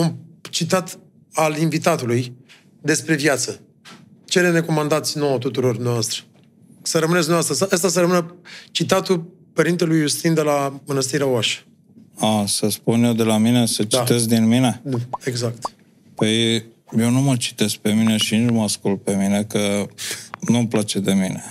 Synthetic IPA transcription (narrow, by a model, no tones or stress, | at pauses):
amt͡ʃit̪at̪ | alinvit̪at̪uluj | d̪e̞spɾe̞vjat̪sə | t͡ʃelene̞ko̞mand̪at̪sʲno̞wət̪ut̪uɾo̞rd̪umneavast̪ɾə̥ | səɾəmɨnesd̪neaast̪ɾəsaʔəst̪as̬əɾəmɨnət͡ʃit̪at̪u | pəɾint̪e̞lujːust̪ind̪e̞lamɨnəst̪iɾaoaʃə̥ | asəspunjewd̪e̞lamine̞sət͡ʃiat̪e̞s̬k̚d̪inmine̞nueɡzakt̪ | pəj | jewnumət͡ʃi̥t̪e̞sk̚pe̞mine̞ʃinit͡ʃməaskult̪̚pe̞mine̞kə | numplat͡ʃe̞d̪e̞mine